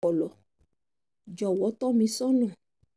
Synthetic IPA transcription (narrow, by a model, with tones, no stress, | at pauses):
ɔ˨lɔ˨ | d͡ʒɔ˨wɔ˨˦t̪ɔ˦mĩ˧sɔ̃˦nɔ̃˦˨